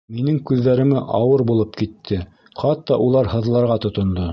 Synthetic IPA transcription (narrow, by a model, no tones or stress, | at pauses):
minɘŋkʉðːæɾɘ̆mɘʔɑwɤɾbulˠɤpkit̪ʰːɘ | χɑt̪ːɑʔulˠɑɾhɤ̆ðlˠɑɾʁɑt̪ŏt̪ŏnd̪o